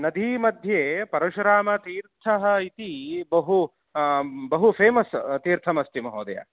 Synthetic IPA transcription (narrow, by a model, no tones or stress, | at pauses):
nɐd̪ʱiːmɐd̪ʱjeːpɐɾɐʃɾaːmɐt̪iːɾt̪ʰɐɦɐit̪ibɐɦu | bɐɦupʰeːmɐst̪iːɾt̪ʰɐmɐsʈ̪imɐɦoːd̪ɐ̰ja̰